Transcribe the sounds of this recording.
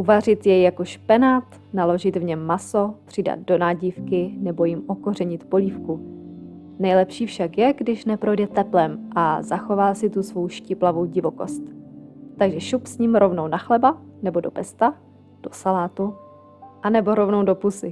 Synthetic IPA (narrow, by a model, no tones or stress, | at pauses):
ʔuvar̝ɪt̪jɛjːako̞ʃpɛnaːt̪ | nalo̞ʒɪt̪vɲɛmːasopr̥ɪda̰t̪̚do̞naːɟifkɪnɛbo̞jɪmʔo̞kor̝ɛɲɪt̪po̞liːfku | nɛjlɛpʃiːfʃakjɛɡdɪʃnɛpɾo̞jdɛt̪ɛplɛmʔazaxo̞vaːsɪt̪usvo̞wʃcɪplavo̞wɟɪvo̞ko̞st̪t̪ːaɡʒɛʃupsɲiːmɾo̞vno̞wnaxlɛbanɛbo̞do̞pɛst̪a | d̥o̞salaːt̪u | ʔanɛbo̞ɾo̞vno̞wdo̞pusɪ